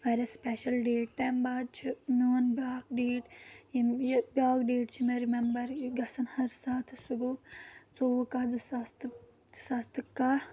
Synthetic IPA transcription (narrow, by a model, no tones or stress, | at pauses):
ʋaɾʲɐspɛʃɐlɖeːʈ̚t̪eːmbaːd̪̚t͡ʃʰimoːnbaːkɖeːʈjibʲaːkɖeːʈt͡ʃʰimeɾimɛmbɐɾɡɐsɐnhɐɾsaːt̪ʰsuɡut͡soʋukɐd͡zɨsɐst̪ | sɐst̪ɨka